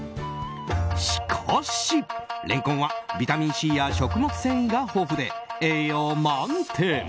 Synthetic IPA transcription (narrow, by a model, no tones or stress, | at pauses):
ɕi̥kʰaɕiɾʔẽ̞̰ŋkõɰ̃βabʲit̪amʲĩɰ̃ɕijaɕo̞kɯ̟mo̞kɯ̟̥sẽ̞ɰ̃iɡaho̞ːɸɯ̟d̪eejomant̪ʰe